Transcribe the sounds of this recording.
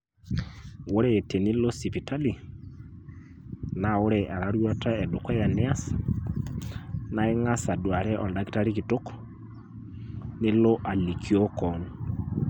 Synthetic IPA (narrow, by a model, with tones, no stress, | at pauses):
wo˦ɾɛtɛ˨ni˦lo˦si˨pi˨ta˦li˨ | na˨o˦ɾɛʔa˨ɾaɾwɔ˦ta˦ɛ˨do˨kwɛ˦ja˨nɛa˦s | na˨e˦ŋa˦sa˨dwa˨ɾɛ˦ʔɔ˨nda˨ki̥˦ta˦ɾikito˦kɔ̥ | ne˦lo˦ʔa˨likʰio˦kɔnu